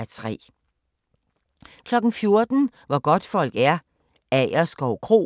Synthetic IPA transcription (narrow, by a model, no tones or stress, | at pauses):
æt͡sʰʁɛ̰ː | kʰlɒ̽ɡ̥n̩fjo̝ɐd̥n̩ʋɒɡ̥ɒ̽d̥fɒ̽l̰ɡ̥æɐ | æɪɐsɡ̥ɒʊkʰʁo̝̰ː